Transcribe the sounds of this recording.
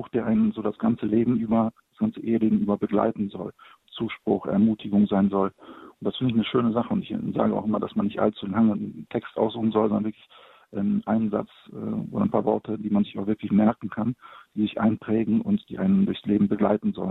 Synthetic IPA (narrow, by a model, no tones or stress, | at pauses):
ʊxd̥eːɐʔaɪnənzoːdasɡ̥ant͡səleːbm̩ʔyːbɐd̥asɡ̥ant͡səʔeːədeːɡŋ̩ʔyːbɐbəɡla̰ɪtn̩zɔl | t͡suːʃpʁ̥ʊ̰χʔɛ̰ɐmuːtʰɪɡʊŋzaɪnzɔlʊntd̥asfɪndəɪçnəʃøːnəzaχəʊntɪçza̰ːɡəʔa̰ʊxʔɪmɐda̰smanːɪçtʔa̰lt͡sulaŋəntʰɛkstʔaʊszuːχn̩zɔlzɔndɐnvɪɐklɪç | ʔɛːʔaɪnənza̰t͡s | ɛ̰ːo̰ːdɐaɪnpʰaːɐvɔɐtʰədiːmanzɪçaʊvɪɐklɪçmɛɐkŋ̩kʰand̥iːzɪçʔa̰ɪnpʁ̥ɛːɡŋ̩ʔʊ̰ntd̥ḭːʔaɪnəndʊɐçsleːbm̩bəɡla̰ɪtn̩zɔ̰lən